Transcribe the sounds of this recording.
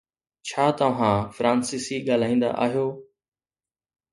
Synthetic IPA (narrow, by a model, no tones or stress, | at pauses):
t͡ʃʰaːt̪əʋ̤ãːfɾãːnsiːsiːɠaːl̤aːĩːnd̪a̰ʔa̰ːɦijoː